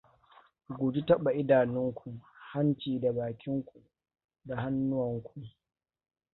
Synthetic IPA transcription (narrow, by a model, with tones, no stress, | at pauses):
ɡʷoː˨d͡ʒi˦tɐ˦ɓa˨ʔɪ˦daː˨nɪ˦ŋkʷʰu˨ha˦nt͡ʃiː˨da˨baː˨kʲʰɪ˦ŋkʷu˨ | da˨ha˦nːʊ˦wɐ˨ŋkʷʰu˨